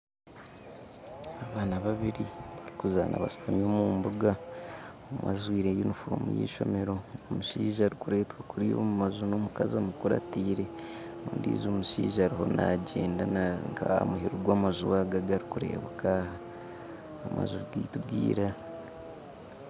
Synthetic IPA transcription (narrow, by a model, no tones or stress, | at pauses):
aβaːnaβaβiɾiβaɾikuza̰nʔa̰βasi̥tamjoːmuːmbuɡa | mazwiːɾejinufuɾomṵjḭːʃo̞̰me̞ɾo̞ːmuʃiːʒaːɾikuɾe̞ːtwakuɾijo̞̰ːmumazuno̞ːmukazamukuɾa̰tiːɾe̞oːndḭzoːmuʃiːʒaaːɾiho̞nʔaɟe̞ːndanaŋka̰muhiɾuɡwaːmazuwaɡaɡaɾikuɾe̞̰ːβakaːha | oma̰zuɾiɡiːtubɡḭːɾa